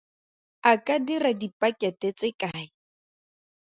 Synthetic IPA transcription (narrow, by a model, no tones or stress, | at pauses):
akʼadiradipʼakʼɛtɛt͡sʼɪkʼaːɪ